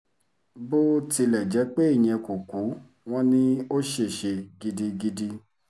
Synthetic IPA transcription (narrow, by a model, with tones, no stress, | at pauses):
bo˦ti˧lɛ˨d͡ʒɛ˨˦k͡pe˦i˦˨j̃ɛ̃˧ku˨ku˨˦ | w̃ɔ̃˦nĩ˦o˦ʃe˦˨ʃe˧ɡi˦di˧ɡi˦di˦